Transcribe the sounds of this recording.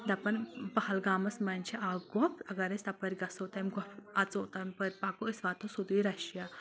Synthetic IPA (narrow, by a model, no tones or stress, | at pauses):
d̪ɐpɐnpɐhɐlɡaːmɐsmɐnʲt͡ʃʰiʔaɡɔpʰɐɡɐɾɐsʲt̪ɐpɐɾʲɡɐsoːt̪ɐmɡɔpʰɐt͡soːt̪ɐmpɐɾʲpaːkuisʋaːt̪osud̪iɾɐʃja